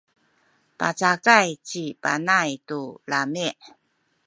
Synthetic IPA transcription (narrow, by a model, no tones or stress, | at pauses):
pa̰t͡sakajt͡ɕipanajtulamiʔ